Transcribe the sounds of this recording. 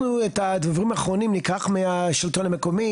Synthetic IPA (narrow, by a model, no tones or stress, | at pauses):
nuet̪ad̪avaʁimaːχʁonimlikaχmeaʃilt̪oname̞komi